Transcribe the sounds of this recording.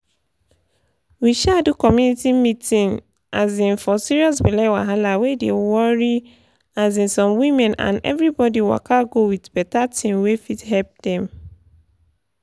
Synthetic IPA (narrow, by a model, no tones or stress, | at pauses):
wiʃadukɔmjunitimitĩŋ | azĩnfɔsiɹiɔs̬bilɛwaɦalawedewɔɹi | azĩnsɔ̃mwĩmɛ̃nã̰nɛ̰vɹibɔdiwa̰kaɡowitbɛtatʰĩmwefithɛlp̚d̥ɛ̃m